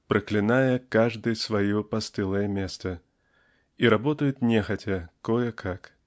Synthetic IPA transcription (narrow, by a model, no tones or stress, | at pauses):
pɾɐklʲɪnajɐkaʐd̪ɨjsvajɔpast̪ɨlˠɐjɐmʲɛst̪ɐ | iɾabɔt̪ɐjʊt̪nʲɛxɐtʲɐkɔjɛkʰak